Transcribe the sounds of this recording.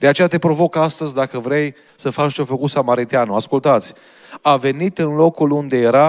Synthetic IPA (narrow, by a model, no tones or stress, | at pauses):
d̪e̞at͡ʃe̞jat̪e̞pɾo̞vo̞kast̪əzʲd̪akəvɾe̞j | səfat͡ʃt͡ʃofəkusamaɾit̪ianəaskult̪at̪sʲ | ave̞nit̪ɨnlo̞kulund̪e̞jeɾa